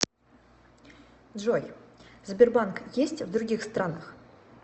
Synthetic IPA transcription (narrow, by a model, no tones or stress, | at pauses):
d̪ʐojzbʲɪrbankjesʲtʲvd̪ɾʊɡʲixst̪ɾanəχ